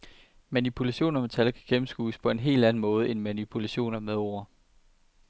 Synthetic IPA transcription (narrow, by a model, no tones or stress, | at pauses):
mænipʰulæɕo̝̰ːnɐmet͡sʰælkʰæɡ̥emm̩sɡ̥ṵːspʰɒ̽e̝nɦe̝̰ːld̥æn̩mɔ̽ːð̞̩ˠəe̝nmænipʰulæɕo̝̰ːnɐmeðˠɒ̰ɐ